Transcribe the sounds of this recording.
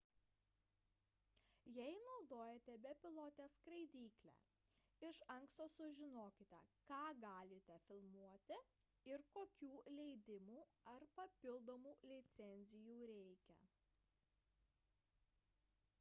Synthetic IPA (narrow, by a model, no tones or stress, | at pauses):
jɛɪnɒʊd̪oːjet̪ʲɛbʲɛpʲɪlˠoːt̪ʲɛskɾɐɪd̪ʲiːklʲæ̰ | ɪʃɐŋkst̪oːsʊʒʲɪnoːkʲɪt̪ʲɛ̰kɑːɡɑːlʲɪt̪ʲɛfʲɪlˠmuɔt̪ʲɪ | ɪɾkoːkʲuːlʲɛɪd̪ʲɪmuːɐɾpɐpʲɪlˠd̪oːmuːlʲɪt̪sʲɛnʲzʲɪjuːɾʲɛɪkʲɛ̰